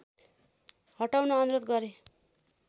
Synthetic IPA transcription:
hʌʈawnʌːnɾot̪ɡʌɾe

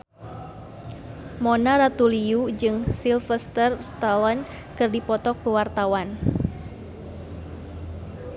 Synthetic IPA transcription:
mɔnaɾat̪uliud͡ʒɨŋsilfəst̪ərst̪alɔn | kɨrdipɔt̪ɔkːuwart̪awan

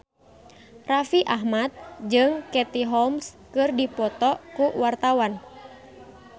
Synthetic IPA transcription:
rafiʔaɦmat̪̚d͡ʒɨŋkɛt̪iɦɔmskɨrdipɔt̪ɔkuwart̪awan

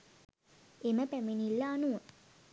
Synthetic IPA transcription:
eməpæminilːaːnuʋə

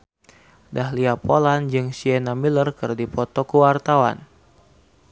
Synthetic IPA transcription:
dahliapoland͡ʒɨŋsiɛnamilərkɨrdipɔt̪ɔkuwart̪awa̰n

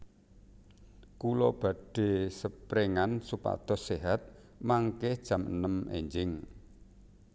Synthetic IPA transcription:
kulɔb̥a̤ɖ̥e̤səpɾeŋansupa̰t̪ɔ̤seɦat̪̚ | maŋkɪhd̥ʒ̥ä̤mənəmḛɲd͡ʒɪŋ

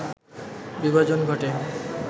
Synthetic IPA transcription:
bibad͡ʑonɡʱɔʈe

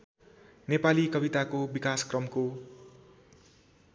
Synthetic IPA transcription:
nepalikʌbit̪akobikaskrʌmko

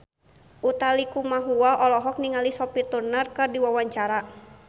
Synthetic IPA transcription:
ʔut̪alikumaɦuaʔɔlɔɦɔk̚niŋalisɔpit̪urnərkɨrdiwawaɲt͡ʃaɾa

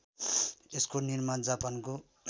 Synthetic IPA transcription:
eskonirmand͡zapʌnko

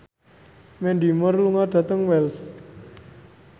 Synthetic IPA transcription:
mɛndimərluŋad̥a̤t̪əŋwɛls

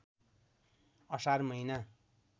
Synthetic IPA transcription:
ʌsaɾmʌjna

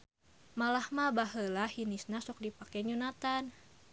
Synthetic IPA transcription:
malahmabaɦəlahinisnasʊk̚dipakɛɲunat̪an

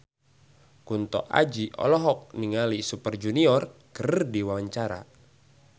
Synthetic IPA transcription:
kunt̪ɔ̰ʔa̰d͡ʒiʔɔ̰lɔɦɔk̚niŋalisupərd͡ʒuniɔrkərdiwawaɲt͡ʃaɾa̰

